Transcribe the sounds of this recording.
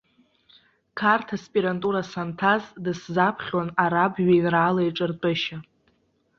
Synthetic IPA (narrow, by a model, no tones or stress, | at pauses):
kʰartʰaspʼiɾantʼuɾasantʰazdɨszapʰχʲwanaɾabɥajnraaːlajʈ͡ʂʼɨrtʼɨʃa